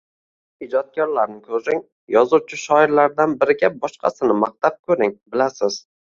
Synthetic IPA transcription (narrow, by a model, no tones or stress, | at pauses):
ɪd͡ʒɒt̪̚kʲɒɾlaɾnɪkʲʰɵzɪŋ | jɒzuwt͡ʃʰɪʃɒɪɾlaɾd̪anbɪɾɪɡʲabɒʃqʰɑ̰sɪnɪmaq̚t̪ap̚kʰɵɾɪŋbɪlasɪz̥